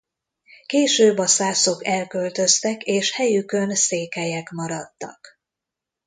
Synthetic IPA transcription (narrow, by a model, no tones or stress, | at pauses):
keːʃøːbɒsaːso̞kɛlkølt̪ø̞st̪ɛkeːʃhɛjykø̞nseːkɛjɛkmɒɾɒt̪ːɒ̰k